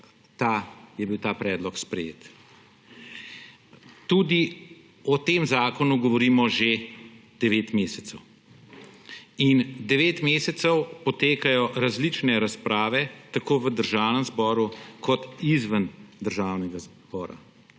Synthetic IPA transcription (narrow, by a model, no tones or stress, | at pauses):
t̪ajɛbiwt̪aːpɾɛːd̪lɔkspɾɛjḛːt̪ | t̪ud̪i | ɔt̪eːmzaːkɔnuɡɔʋɔɾiːmɔʒed̪̥ɛʋeːt̪meːsɛt̪səw | ind̪ɛʋeːt̪meːsɛt̪sɛwpɔt̪eːkajɔɾazlit͡ʃnɛɾaspɾʔaːʋɛt̪akoːʋəd̪əɾʒaːwnəmzbɔːɾukʰɔt̪izʋand̪əɾʒaːwnɛɡaz | bɔːɾa̰